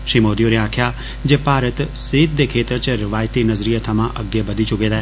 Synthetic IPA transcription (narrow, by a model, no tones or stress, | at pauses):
ʃimoːd̪ijoneãːkʰja | d͡ʒepaːɾət̪sid̪̚d̪ekʰeːt̪əɾt͡ʃɾɪʋaːjt̪inəzɾijət̪ʰamãʔəɡjəbəd̪ʱit͡ʃʊked̪a